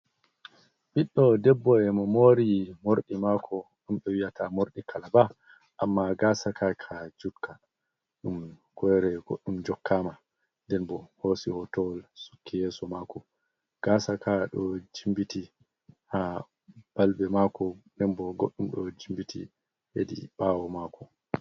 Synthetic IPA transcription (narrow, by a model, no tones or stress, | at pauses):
biɗːɔdɛbːɔɛmɔmoːɾimoɾɗimakʰɔ | ɗumɓɔwijatʰamoɾɗikʰalaba | ʔamːaɡaːsakʰakʰad͡ʒutkʰa | ɗumkɔɾɛɡ̥oɗːumd͡ʒɔkʰːama | ndɛnbɔhosihɔtɔwlsu̥kʰːijɛːsɔmaːkɔ | ɡ̥aːsakaɗɔd͡ʒimbiti | ha | b̥albɛmakɔnɛnbɔɡoɗːumɗɔd͡ʒimbitʰḭ | heɗḭɓaːwɔmaːkɔ